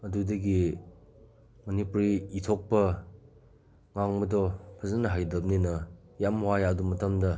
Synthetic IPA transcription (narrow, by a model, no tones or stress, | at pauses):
ɐdudɐɡi | mɐnipuɾiːtʰok̚pɐ | ŋaŋbɐdɔpʰɐzɐnɐɦajdɐp̚ninɐ | jamwajadumɐtɐmdɐ